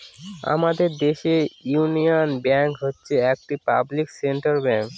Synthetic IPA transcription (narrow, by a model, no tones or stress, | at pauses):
a̰mad̪eɾd̪eʃejunionbɛŋkɦotːɕʰeɛk̚ʈipa̰blikseɳʈaɾbɛŋk